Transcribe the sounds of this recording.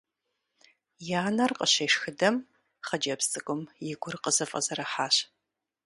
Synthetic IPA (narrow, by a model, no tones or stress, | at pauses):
jaːnɐrqəɕeːʂxɨdɐm | χɐd͡ʒɐpst͡sʼɨkʷʼʊmjɪɡʷʊrqəzɐfʼɐ̰zɐɾɐħaːɕ